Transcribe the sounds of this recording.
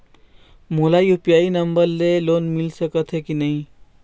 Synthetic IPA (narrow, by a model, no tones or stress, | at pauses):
molajupjainəmbəɾlelonmilsəkət̪ʰɦekinəɦĩ